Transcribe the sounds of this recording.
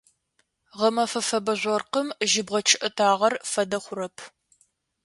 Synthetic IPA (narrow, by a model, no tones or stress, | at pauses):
ʁɐmɐfɐfɐbɐʑʷɐrqəmʒɪbʁɐt͡ʃʰɪʔɐtʰaːʁɐrfɐdɐχʷʊɾɐpʰ